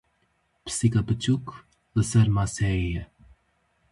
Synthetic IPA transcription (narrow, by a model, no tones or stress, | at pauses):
pʰsikabət͡ʃʰuk | ləsɛɾmasɛijɛ